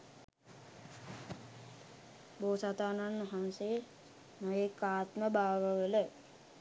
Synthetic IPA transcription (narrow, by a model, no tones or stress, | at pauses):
boːsat̪aːnanʋaɦanse | nəjekːaːt̪məbaːʋəʋələ